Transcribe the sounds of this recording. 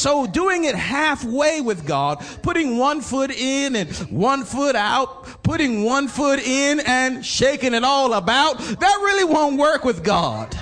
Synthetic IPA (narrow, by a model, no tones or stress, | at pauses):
soʊduɪ̃ŋɪt̚hæfweɪwɨðɡɑd̥̚pʰʊɾɪ̃ŋwʌ̃nfʊɾɪ̃nɨ̃nwʌ̃nfʊɾaʊt̚ | pʰʊɾɪ̃ŋwʌ̃nfʊɾɪ̃nɨ̃nʃeɪkɪ̃ŋɨɾɔlˠəbaʊt̪̚ðɨt̚ɹɪlˠiwõʊ̃nt̚wɜ˞kwɨðɡɑ̰d̥